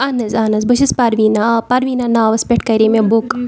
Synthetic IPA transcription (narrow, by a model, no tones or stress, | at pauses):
ɐnɐzaːnɐzbɐʃɐspɐɾʋinapɐɾʋiːnanaːʋɐspʲeʈʰkɐɾemebok